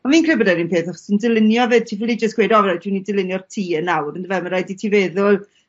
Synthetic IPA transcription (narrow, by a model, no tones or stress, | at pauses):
ɔnviːnkʰreːbədɛninpʰeːθaχɔ̥səndɪlˠɪnjɔved̚tʰifilˠid͡ʒəstɡweːdɔvɾad̥unidɪlˠɪnjɔrtʰiːənawrəndəvɛməɾajditʰivɛːðʊlˠ